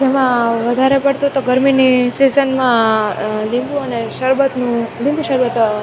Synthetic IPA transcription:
d͡ʒemãʋəd̪ʱaɾepəɽt̪uɦt̪oɡəɾminisizənmã | lĩmbuəneʃəɾʋət̪nũlɪ̃mbuʃəɾʋət̪

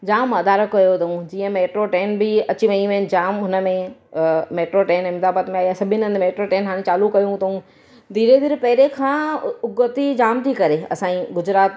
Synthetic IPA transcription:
d͡ʑaːmɐd̪aːɾəkːɐjot̪ũd͡ʑiːə̃meːʈɾoʈeːnbɪɐt͡ɕiʋɐ̃ĩʋẽd͡ʑaːmɦʊnə̆mẽ | meːʈɾoʈeːnɪmt̪aːbət̪mẽaːɦiasɐbʱɪnə̃nd̪meːʈɾoʈeːnɦaːɽẽt͡ɕaːlukɐjũt̪ɐɦũ | d̪ʱiːɾed̪ɪɾpɐɦɪɾekʰãːʊɡət̪id͡ʑaːmt̪ʰikɐɾeɐ̰sãːĩɡʊd͡ʑɾaːt̪

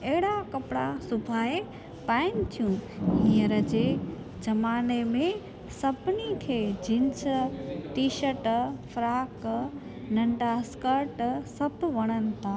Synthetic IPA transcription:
ɐɦɪɽakɐpɽa̰sʊbʱaːe | paːɪnɪ̆t̪ʰijũnijəɾəd͡ʑeː | d͡ʑɐmaːnemẽ | sɐbʱɪnikʰeːd͡ʑʱɪ̃nsʈiːʃəʈfɾaːk | nɐ̃ɳɖaskəɾʈsɐbʱʋɐɽ̃ənɪ̆t̪ʰaː

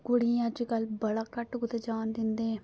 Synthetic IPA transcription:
kʊɽĩəd͡ʒkəlbəɽaːkəʈɡʊt̪ed͡ʒaːnd̪ɪnd̪eː

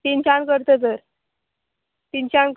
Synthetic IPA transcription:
t̪int͡ɕankəɾt̪ət̪əɾ | t̪int͡ɕank

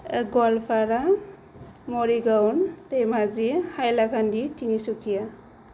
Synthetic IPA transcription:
ɡɔlpʰaɾa | moɾiɡawnt̪ejmazihajlakʰanditinisukʰija

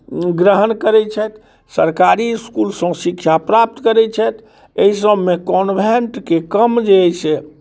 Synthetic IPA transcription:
ɡɾəɦənkəɾɛt͡ʃʰɛt̪ | səɾkaɾiskulsə̃sikt͡ʃʰapɾap̚t̪kəɾɛt͡ʃʰɛt̪ | eɦis̬əbmekɔnbʱenʈkekəmd͡ʒeːse

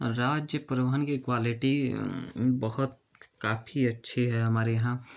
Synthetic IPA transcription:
ɾaːd͡ʒjəpɾəbɦənkekwaːliʈi | bəɦʊt̪̚ | kaːpʰiɐtːʃʰeɦɛɦɐmaːɾejɦã

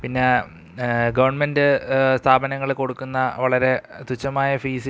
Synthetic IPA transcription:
pinːe̞ | ɡɐʋɐrɳmendɨst̪ʰaːbɐnɐŋːɐɭeko̞ɽukːunːɐʋɐɭɐɾe̞t̪ut͡ɕːɐmaːjɐfiːsi

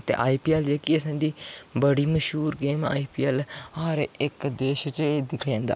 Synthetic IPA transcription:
t̪ḛːʔaːiːpiːɛːld͡ʒeːkiəsãːd̪iːbəɽiːməʃɦuːɾɡeːma̰ːiːpiːɛːlhaːɾɪkd̪eːʃt͡ʃeːd̪ɪkʰːãːnd̪a̰ː

